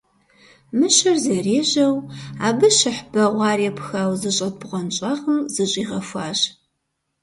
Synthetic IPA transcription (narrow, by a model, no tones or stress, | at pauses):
mɨɕɐrzɐreːʑɐwaːbɨʃɨħb̥ɐʁʷɑːriɛpxaːwzɨɕʼɐt̚bʁʷɐnt͡ʃʼaʁəmzɨɕʼiːʁɐfʷaːɕ